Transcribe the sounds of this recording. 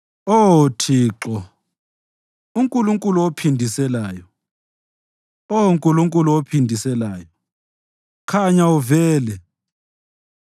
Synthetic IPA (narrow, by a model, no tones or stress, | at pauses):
otʰiːǁɔ | uŋkʼuluŋkʼuluwopʰindʱisɛlaːjɔ | ouŋkʼuluŋkʼuluwopʰindʱisɛlaːjɔ | kʰaɲauvɛːlɛ